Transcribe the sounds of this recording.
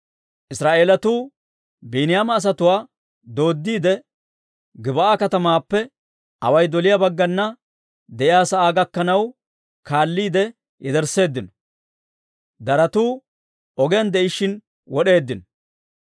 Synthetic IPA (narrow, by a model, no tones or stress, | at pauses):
ʔɪsɾaːʔe̞ːlɐt̪uː | biːnɪjaːmɐːs̬ɐt̪ʊwaː | d̪o̞ːd̪ːiːd̪ɛ | ɡɪbɐaːkɐt̪ɐmaːpːɛ | ɐwɐjd̪ɔlɪjabɐɡːɐnːɐ | d̪ɛʔɪjaːsɐʔaːɡɐkːɐnɐw | kaːlːiːd̪ɛ | jɛd̪ɛɾse̞ːd̪ːɪnɔ̥ | d̪ɐɾɐt̪uː | ɔɡɛjɐnd̪ɛʔɪʃɪn | wɔɗe̞ːd̪ːɪnɔ̥